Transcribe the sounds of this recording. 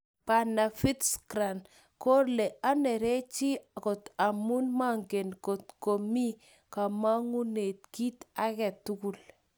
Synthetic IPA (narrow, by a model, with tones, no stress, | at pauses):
pa˨na˨fi˦tskɾa˨n | kɔ˦ɾlɛ˨ʔa˦nɛ˨ɾe˦t͡ʃi˦kɔ˨ta˨mu˦nma˦ŋɡe˨nkɔ˨tko˨mi˦ | ka˨ma˦ŋu˦ne˨t̚ki˦ta˦kɛ˨tʊ˦ku˦l